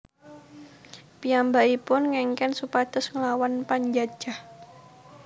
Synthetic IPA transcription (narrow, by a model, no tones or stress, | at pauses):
piambaipʊnŋɛŋkɛnsupad̪̥ʊ̤sŋəlawanpaɲd͡ʒad̥ʒ̥a̤h